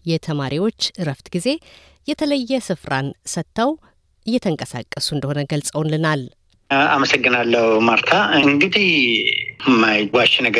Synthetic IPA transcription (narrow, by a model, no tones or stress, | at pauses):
jɛt̪ʰəmaɾiwo̞t͡ʃːɨɾəft̪ɡize̞ | jɛt̪ʰələjːɛsɨfɾansət̪ʰːəw | ʔɨjːɛt̪ʰəŋkʼəsa̰kʼːəsuɨnd̪əho̞nəɡəlsʼəwnlɨnal | aməsəɡːɨnalːəhumaɾt̪ʰaɨŋɡɨd̪ih | mːajɡʷaʃnəɡ